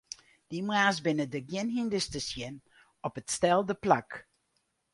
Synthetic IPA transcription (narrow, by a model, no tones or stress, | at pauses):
d̥imwaːsbɪnədəɡjɪnɦindəstəsjɪn | ɔpətstɛlˠdəplak